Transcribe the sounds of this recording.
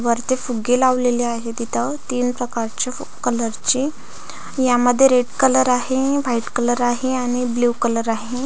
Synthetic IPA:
ʋəɾt̪efuɡelaʋleliaɦed̪it̪ət̪iːnpɾəkaɾt͡ɕa | kələɾt͡ɕi | jaməd̪ʱːjeɾeɽkələɾaɦeʋaiʈkələɾaɦeaɽ̃ibluːkələɾaɦe

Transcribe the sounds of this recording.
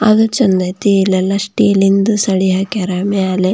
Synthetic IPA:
ɐd̪ut͡ʃɐnd̪ɐt̪ilɐlɐsʈilind̪usɐɽiɦakeɾaːmijaːle

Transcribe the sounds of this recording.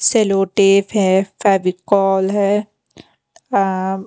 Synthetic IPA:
seloːʈeːfɦɛfɛːbikɔːlɦɛ

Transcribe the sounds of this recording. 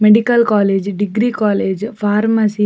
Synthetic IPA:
meɖikəlkɔːleːd͡ʒɖiɡɾikɔːleːd͡ʒfaːɾməsi

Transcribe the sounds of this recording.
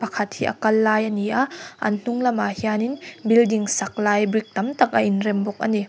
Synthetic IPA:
pakʰɐt̚hiʔɐ̰kɐlːajɐniaʔɐ̰nn̥uŋlɐmahianinbildiŋsɐk̚lajbɾik̚t̪ɐmt̪ak̚ʔɐʔinɾɛmbɔk̚ʔɐ̰ni

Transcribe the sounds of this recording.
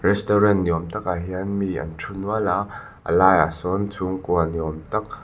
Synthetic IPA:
rɛst̪ɔɾɛnjɔmt̪ɐk̚aɦiɐnmiːʔɐ̰nʈ͡ʂʰunuala | ʔə̰laːja̰sɔnt͡sʰuŋkuanjɔmt̪ɐk̚

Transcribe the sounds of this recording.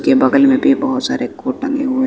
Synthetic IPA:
kebɐɡəlmẽbʱibɐɦʊt̪saːɾekoːʈʈːɐ̃ŋɡeɦue

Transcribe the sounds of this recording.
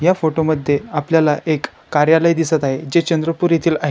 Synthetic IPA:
jafoʈoməd̪ʱːjeapljalaʔekːaɾjaləjd̪isət̪aɦed͡ʑet͡ɕənd̪ɾəpuɾit̪ʰiːlaɦ

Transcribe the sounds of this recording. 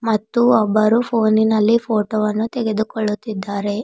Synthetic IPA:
mɐt̪ːuɔbːɐɾupʰoːninɐlːipʰoːʈoʋɐnːut̪ɛɡe̞d̪ukɔɭːut̪ːid̪ːaːɾe̞

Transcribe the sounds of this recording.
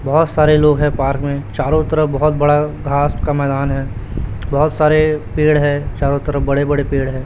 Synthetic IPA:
bɔɦɔt̪saːɾeloːɡɦɛ̃paːɾkmẽt͡ʃaːɾot̪əɾəfbɔɦɔt̪̚bɐɽaɡʱaːspkamɛːd̪aːnɦɛːbɔɦɔt̪saːɾepeːɽɦɛt͡ʃaːɾot̪əɾəbɐɽebɐɽepeːɽɦɛː

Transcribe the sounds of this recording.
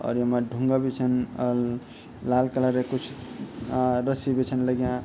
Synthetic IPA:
ɔ̰ɾjəmaɖʱuŋɡabit͡ʃʰən | lalkəlaɾekut͡ʃʰu | ɾəsibet͡ʃʰənləɡjã

